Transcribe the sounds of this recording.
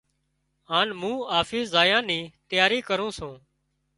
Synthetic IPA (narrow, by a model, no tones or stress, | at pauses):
ɦaːnmũːaːfiːszaːjãːnĩːt̪ɪjaːɾiːkəɾũːsũː